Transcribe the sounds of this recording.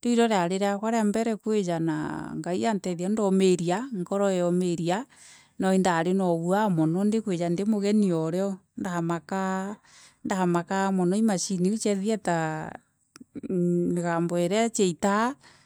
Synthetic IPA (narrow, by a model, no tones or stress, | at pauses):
ndoiɾɔɾeaɾeɾeakwaɾeambɛɾɛkwed͡ʒana̰ŋɡaiantɛðiandɔmeɾiaŋkɔɾɔɛɔmeɾia | nɔindaɾenɔβuamɔnɔndekwed͡ʒandemoɣɛniɔɾeɔndaamaka | ndaamakamɔnɔimaʃiniut͡ʃɛðiɛta | meɣaːmbɔɛɾɛat͡ʃeita